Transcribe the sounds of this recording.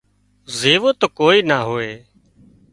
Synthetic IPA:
zeːʋoːt̪oːkoːiːnaːɦoːeː

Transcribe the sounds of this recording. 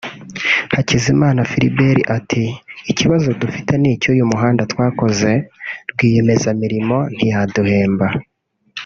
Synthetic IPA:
hacizimaːnafiɾḭbe̞ɾiʔatʰiːciβazo̞dufiteniːcojumuɦaːndatwaːko̞ze̞ɾɡwiːje̞me̞zamiɾimo̞n̥ijaduhe̞ːmba

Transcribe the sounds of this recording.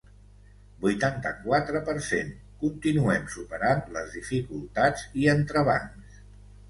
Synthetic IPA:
bujt̪ant̪ə̰kwat̪ɾəpəɾsḛn | kunt̪inuɛmsupəɾanləzðifikulˠt̪ad͡ziənt̪ɾəβa̰ns

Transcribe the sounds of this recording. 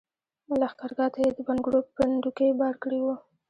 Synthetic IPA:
malɑxkɑɾɡɑt̪ajed̪əbanɡɽopənd̪ukebɑɽkəɽiwu

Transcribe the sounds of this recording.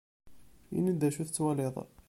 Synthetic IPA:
ḭnːid̪ːæʃuθt͡sːwæleðˤ

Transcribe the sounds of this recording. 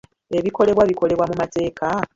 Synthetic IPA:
e̞βiko̞le̞βwaβiko̞le̞βwamumate̞ːka

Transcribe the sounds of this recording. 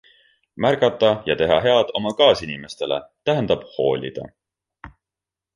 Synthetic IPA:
mærɡɑt̪ːˑɑjɑt̪e̞ɦɑɦe̞ɑd̪̥o̞mɑkɑːsinime̞st̪e̞le̞̰t̪æɦend̪̥ɑb̥ho̞̰ːlʲḭd̪̥ɑ̰

